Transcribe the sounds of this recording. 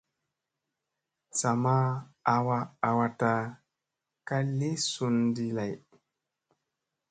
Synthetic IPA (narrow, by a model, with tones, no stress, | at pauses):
sa˨ma˦a˨wa˧a˨wa˧ta˧ | ka˦le˦su˧ndi˦la˨j